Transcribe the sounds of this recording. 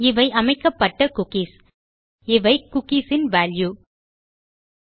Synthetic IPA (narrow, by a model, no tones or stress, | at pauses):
ɪʋɐɪʔɐmɐɪkːɐpːɐʈːɐkʊkiːs | ɪʋɐɪkʊkisɪnʋaːlju